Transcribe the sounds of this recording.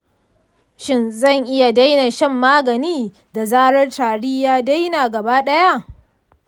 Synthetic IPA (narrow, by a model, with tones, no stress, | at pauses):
ʃɪ˦nzɐ˦˨ŋʔɪ˦ja˨da˦jna˨ʃɛ˦mːaː˦ɡɐ˨niː˦ | da˨zaː˦ɽɐ˦rtaː˨ɽiː˦jaː˦da˦jnaː˨ɡɐ˨baː˦ɗɐ˦ja˦ʔ